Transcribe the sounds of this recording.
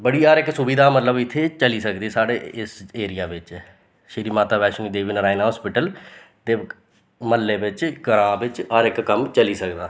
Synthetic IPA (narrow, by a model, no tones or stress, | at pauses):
bəɽiːaːɾɪksʊbiːd̪aːmət̪ləbɪt̪ʰːeːt͡ʃəliːsəkd̪iːsaːɽeːɪseːɾɪjaːʋɪt͡ʃ | ʃɪɾiːmaːt̪aːbɛːʃniːd̪eːʋinɾaːinaːɦɔːspɪʈəlt̪eː | məlːeːbɪt͡ʃkəɾãːbɪt͡ʃaːɾɪkːəmt͡ʃəliːsəkd̪aː